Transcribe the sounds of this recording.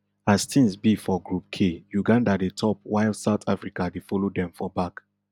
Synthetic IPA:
astʰĩŋsbifɔɡɹup̚kʰejuɡãndadetʰɔp̚waɪldsaʊtʰafɹikadefɔlodɛ̃mfɔbak

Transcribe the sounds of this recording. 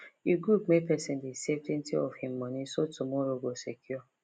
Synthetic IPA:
iɡɾup̚mepɛsẽndeseften̩tiɔvhĩm̩ːɔnisotumɔɾoɡosekʰjɔ

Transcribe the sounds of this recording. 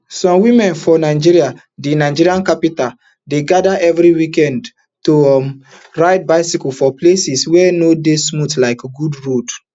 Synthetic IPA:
sɔ̃mwĩmɛ̃nfɔnaɪd͡ʒiɹia | denaɪd͡ʒiɾiãnkapital | deɡadaʔɛvɹiwikɛ̃nd | tom | ɹaɪd̚baɪsikufɔplesiswɛnodesmutlaɪkɡudɹod

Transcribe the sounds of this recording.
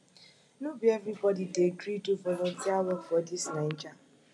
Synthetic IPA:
nubievɾibɔdideɡɾituvɔlɔntʰiawɔfɔdisnan̩d͡ʒa

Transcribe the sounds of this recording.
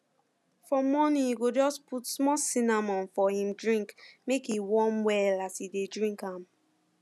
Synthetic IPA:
fɔmɔnĩiɡod͡ʒɔsputsmɔsinamɔ̃nfɔhĩmdɹĩŋkmekiwɔ̃mwɛlatidedɹĩŋkãm

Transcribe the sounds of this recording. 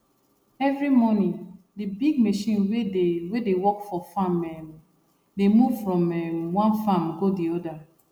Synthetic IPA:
ɛvɹimɔnĩ | dibiɡ̚meʃĩnwedewedewɔkfɔfamɛm | demuvfɹɔ̃mɛmwãnfamɡodiɔda

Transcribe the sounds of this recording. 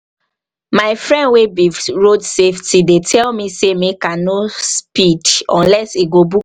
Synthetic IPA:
maɪfɹɛ̃ndwebiɹodseftidetʰɛlmĩsemekanospidɔ̃nlɛseɡobu

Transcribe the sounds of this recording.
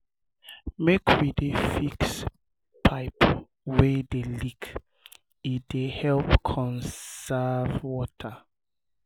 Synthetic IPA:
mekʰwidefiks | pʰaɪp | wedelik | idehɛlpkʰɔ̃nsavwɔtʰa

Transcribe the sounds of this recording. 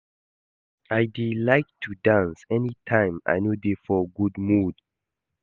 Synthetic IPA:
ajdilaɪk̚tʰudãnsɛnitʰãɪ̃ma̰jnodefɔɡudmud̥

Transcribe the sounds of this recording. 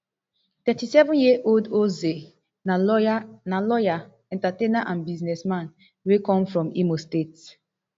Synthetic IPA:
tɛtisɛvɔ̃njiəʔoldoze | nalɔanalɔja | ɛ̃ntatẽnaʔãnbiznɛsmãn | wekɔ̃mfɹɔ̃mḭmostets

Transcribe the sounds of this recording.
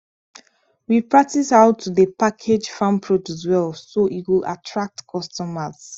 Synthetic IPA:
wipʰɹ̥ak̚tisaʊtʰːuðəpakʰed͡ʒfãmpʰɹod͡ʒuswɛlfsoʔiwila̰tʰɹak̚tkʰɔstɔməz̥

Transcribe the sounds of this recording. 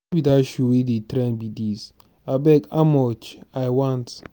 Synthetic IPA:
bidaʃuwedetɾɛ̃nbidis | abɛkamɔt͡ʃajwãnt

